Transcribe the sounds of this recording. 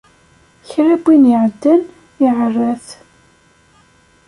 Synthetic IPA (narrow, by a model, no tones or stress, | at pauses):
çɾæbːinjiʕəd̪ːən | iʕərːæθ